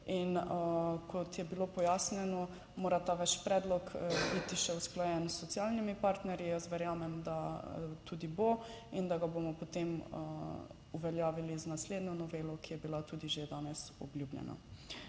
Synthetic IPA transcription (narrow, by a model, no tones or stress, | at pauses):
in | kʰɔt̪jɛbilopɔjaːsnɛnɔ | moːɾat̪aʋɛt͡ʃpɾɛːd̪lɔkbit̪iʃɛusklɔjɛnsːɔt̪sialnimipaɾt̪nɛɾjijəsʋɛɾjaːmɛmd̪at̪uːd̪iboind̪aɡabomɔpot̪em | uʋɛljaːʋiliznasleːd̪nɔnɔʋeːlɔkijɛbilat̪uːd̪iʒed̪aːnɛsɔ̰blʲjublʲɛ̰na̰